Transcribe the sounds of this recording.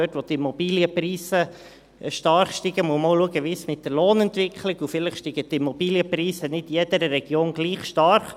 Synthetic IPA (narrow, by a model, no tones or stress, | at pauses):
øtʋɔtimɔbiːljəpɾiːsə | ʃtɑɾχʃtiɡəmuəmowluəɡəʋismɪt̪dəɾloːnɛnt̪ʋɪkʰχlɪɡufɪləχʃtiɡətimɔb̥iːljəpɾiːsənɪtjɛd̥əɾəɾɛɡ̥joːnɡ̥liːχʃtɑɾχ